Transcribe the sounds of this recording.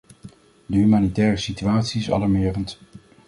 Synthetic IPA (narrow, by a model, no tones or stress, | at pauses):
dəɦymaːnitɛːrəsityaːtsiɪsɑ̰lɑɹmɪːrənt